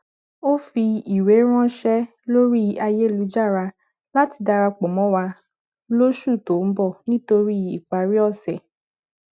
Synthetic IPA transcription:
o˦fi˧i˨we˨˦ɾ̃ã˦ʃɛ˦ | lo˦ɾi˦a˧je˦˨lu˨˦d͡ʒa˦˨ɾa˧ | la˦ti˧da˧ɾa˧k͡pɔ˨mɔ̃˨˦wa˧ | lo˦ʃu˦˨to˨m̩˦bɔ˦˨nĩ˦to˧ɾi˦i˦˨k͡pa˨ɾi˦ɔ˦˨sɛ˨

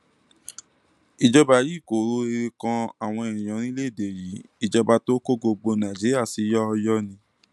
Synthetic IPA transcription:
i˧d͡ʒɔ˧ba˧ji˦˨ko˨˦ɾo˧˦e˧ɾe˧kã˧a˨w̃ɔ̃˧ɛ̃˨ĩ˨ã˨˦ñĩ˦le˦˨de˨ji˨˦i˧d͡ʒɔ˧ba˧to˦ko˦ɡo˧ɡ͡bo˧nã˨d͡ʒi˨˦ɾi˦a˦˨si˨˦jɔ˦ɔ˧jɔ˦nĩ˧

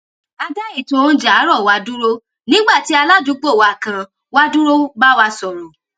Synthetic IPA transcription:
a˧da˦i˦˨tõ˧o˧˦d͡ʒa˨˦ɾɔ˦˨wa˧˦du˦ɾo˦ | nĩ˦ɡ͡ba˦˨ti˨˦a˧la˦˨d͡ʒu˨˦ɡ͡bo˦˨wa˨kã˧ | wa˦du˦ɾo˦ba˦wa˧sɔ˨ɾɔ˨

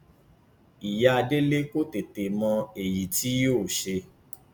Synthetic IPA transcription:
i˨ja˨˦a˧de˦le˦ko˦te˨te˨mɔ̃˧e˨ji˨ti˨˦joː˦˨ʃe˧

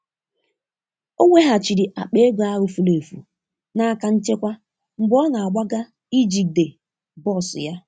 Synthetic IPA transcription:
o˦ŋʷe˦ɦa˨t͡ʃi˨ɾi˨ʔa˨k͡pe˦e˦ɡʷa˦ɾʊ˨fu˨le˨fṵ˨ | na˦a˦˨ka˦n̩˦t͡ʃe˦kʷa˦ | ŋ͡m̩˦ɡ͡bɔ˦na˨a˨ɡ͡ba˦ɡa˦ | i˦d͡ʒi˨de˨ | bɔ˦˨sʊ̰˨ja˦

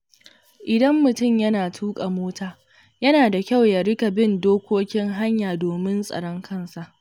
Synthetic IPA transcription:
ʔɪ˨dɐ˦mːʊ˨tʊ˦˨mjɐ˦naː˨tʰuː˦kʼa˨moː˦taː˦˨ | jɐ˦naː˨da˨kʲa˦˨wja˨ɽɪ˦ka˨bɪ˦ndoː˦kʷoː˦kʲɪ˦ŋɦa˦ɲjaː˨doː˨mɪ˦nsʼɐ̰˨ɽɔ˦ŋkʰɐ˦˨nsa˨ʔ

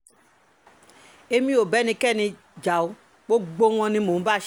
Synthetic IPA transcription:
e˧mĩ˧˦o˨bɛ˨˦nĩ˧kɛ˦˨nĩ˧ | d͡ʒa˨o˧˦ | k͡po˦ɡ͡bo˧w̃ɔ̃˧nĩ˧mo˨˦ba˦˨ʃ

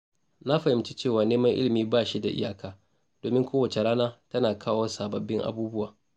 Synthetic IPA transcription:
na˦ɸɐ˨hɪ˦mt͡ʃi˦t͡ʃeː˦˨waː˨neː˦mɐ˦ŋʔɪ̰˦lɪ˨miː˦baː˦˨ʃi˦da˨ʔɪ̰˦jaː˦kʰaː˦ | d̥oː˨mɪ˦ŋkʷoː˦wɐ˨t͡ʃe˨ɽaː˦naː˦tɐ˦naː˨kʰaː˦woː˦saː˨bɐ˨bːɪ˦ŋʔa̰˦buː˦bʊ˦waː˨

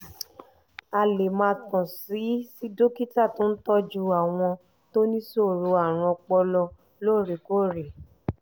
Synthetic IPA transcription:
a˧le˨mã˧kɔ̃˨si˨˦si˦do˦ki˦ta˦˨to˦n̩˦tɔ˦d͡ʒu˦a˦˨w̃ɔ̃˧ | to˦nĩ˦so˦˨ɾo˧a˨ɾ̃ɔ̃˧k͡pɔ˧lɔ˧ | lo˦˨ɾe˨ko˦˨ɾe˨

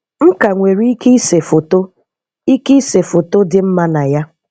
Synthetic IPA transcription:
ŋ̩˦ka˨ŋʷe˨ɾi˦i˦ki˦se˨fo˨to˦ | i˦ki˦i˦se˨fo˨to˦dɪ˦m̩˦ma˦na˨ja˦

